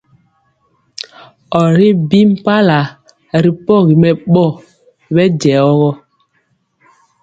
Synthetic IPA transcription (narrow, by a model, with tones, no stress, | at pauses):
ɔ˨ɾi˦bi˦m˦pa˦la˨ | ɾi˨pɔ˦˨ɣi˨mɛ˨ɓɔ˦˨ | bɛ˦d͡ʒɛ˨ɔ˦ɣɔ˦